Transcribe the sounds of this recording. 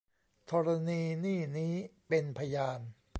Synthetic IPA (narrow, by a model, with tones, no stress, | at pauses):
t̪ʰɔː˧ɾa˧niː˧niː˥˩niː˦˥pe˧npʰa˧jaː˧n